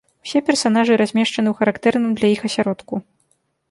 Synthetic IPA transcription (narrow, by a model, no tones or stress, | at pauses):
wsʲɛpʲɛrsan̪aʐɨɾazʲmʲɛʂt͡ʂɐnɨwxɐɾakt̪ɛrnɨmd̪lʲɐjixɐsʲaɾɔt̪ku